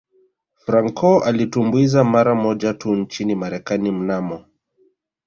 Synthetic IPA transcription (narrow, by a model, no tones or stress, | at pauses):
fɾaŋkʰɔalitumbuizamaɾamɔd͡ʒatunt͡ʃinimaɾɛkanim̩namɔ